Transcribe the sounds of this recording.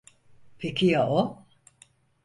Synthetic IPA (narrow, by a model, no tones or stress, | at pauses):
pʰecʲʰijaʔo